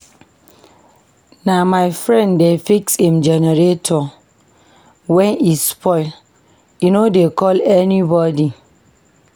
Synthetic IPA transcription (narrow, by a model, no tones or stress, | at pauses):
namaɪfɹɛ̃ndefikshĩmd͡ʒɛnɛɾetʰɔ | wɛ̃nispʰɔɪl | junodekɔlɛnibɔdi